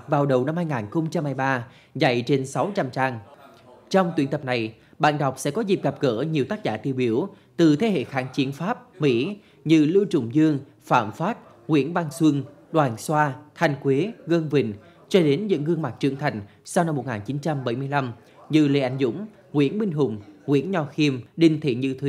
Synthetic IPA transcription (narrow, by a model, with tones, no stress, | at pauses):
k̚vaː˨˩wɗə˨˩wna˧mhaː˧jŋaː˨˩nxə˧ŋ͡mt͡ɕa˧mhaː˧jɓaː˧ | za̰˧˨jt͡ɕe˧nsa˨˦wt͡ɕa˧mt͡ɕaː˧ŋ | t͡ɕɔ˧wŋ͡mt̪wi˧˩nt̪ə˨˩p̚na˨˩j | ɓa̰ː˧˨nɗa˨˩wk͡p̚sɛ̰˧˥kɔ˨˦zi˨˩p̚ɣa˨˩p̚ɣəː˧˩ɲi˨˩əwt̪aː˦˥k̚zaː˧˩t̪i˧əwɓi˨˧˩əw | t̪ɨ˨˩t̪ʰe˨˦ɦḛ˧˨xaː˨˦nt͡ɕi˨˦ənfaː˦˥p̚mḭ˧˥ | ɲɨ̰˧lɨ˧wt͡ɕʊ̰˧˩ŋ͡mzɨ˧əŋ | faː˧˩mfaː˦˥t̚ | ŋwḭ˧˥ənvaː˧ŋswɨ˧ŋ | ɗwaː˨˩nswaː˧t̪ʰa˨˩jŋ̟kwe˨˦ɣə˧nvḭ̈˧˩ŋ̟ | t͡ɕɔ˧ɗe˨˦nɲɨ̰˧˥ŋːɨ˧əŋma˨˩k̚t͡ɕɨ̰˧˩əŋt̪ʰa˨˩jŋ̟ | sa˧wna˧mːo˨˩t̚ŋaː˨˩nt͡ɕi˨˦nt͡ɕa˧mɓə˧˩jmɨ˧əjla˧m | ɲɨ̰˧lḛ˧˩ʔa˨˩jŋ̟zʊ̰˧˥ŋ͡m | ŋwḭ˧˥ənɓï˧ŋ̟ɦʊ̰˧˩ŋ͡mŋwḭ˧˥ənɲɔ˨˩xi˧əmɗï˨˩ŋ̟t̪ʰḛ˧˨ɲɨ˧t̪ʰwi˧